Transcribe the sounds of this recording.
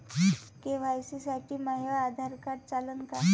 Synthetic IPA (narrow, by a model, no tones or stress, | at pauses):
keʋ̤ajsisaʈiːmaɦjad̪ʱaɾkaɽt͡salənka